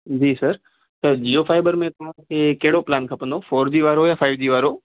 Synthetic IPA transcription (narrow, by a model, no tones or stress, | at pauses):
d͡ʑiːsɐɾ | t̪ɐd͡ʑiːofaːɪbəɾmẽt̪ɐʋ̤ãkʰeːkɐɦɪɽoplaːnkʰɐpə̃nd̪ofoːɾd͡ʑiːʋaːɾojaːfaːɪʋd͡ʑiːʋaːɾo